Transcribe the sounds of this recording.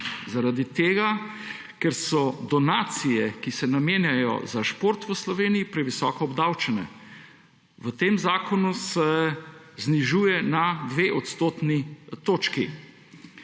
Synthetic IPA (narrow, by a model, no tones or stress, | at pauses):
zaɾad̪it̪eːɡa | kɛɾsɔd̪ɔnaːt̪sijɛkisɛnameːnjajɔ̰zaʃpoɾt̪ʋəslɔʋeːnijipɾɛʋisɔːkɔɔbd̪awt͡ʃɛnɛ̰ | ʋət̪eːmzaːkɔnusɛ | zniʒuːjɛnad̪ʋeːʔɔt̪st̪oːt̪nit̪oːt͡ʃki